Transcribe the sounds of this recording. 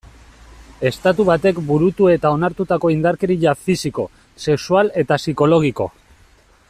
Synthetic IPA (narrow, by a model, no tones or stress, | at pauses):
e̞st̪at̪uβ̞at̪e̞kbuɾut̪ue̞t̪ao̞naɾt̪ut̪ako̞ind̪aɾkeɾiʎafisiko̞ | se̞ksuale̞t̪asiko̞lo̞ɣ̞iko̞̰